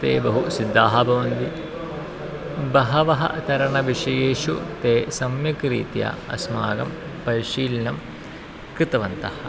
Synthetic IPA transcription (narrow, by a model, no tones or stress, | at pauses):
t̪ḛːbɐɦusid̪ʱːaːɦɐbɐʋɐnd̪i | bɐɦɐʋɐɦɐ̰t̪ɐɾɐɳɐʋiʂɐjeːʃut̪eːsɐmjɐkɾḭːt̪ja̰ɐ̰sma̰ːɡɐmpɐɾʃiːlnɐm | kɾɪt̪ɐʋɐnt̪ɐhɐ̆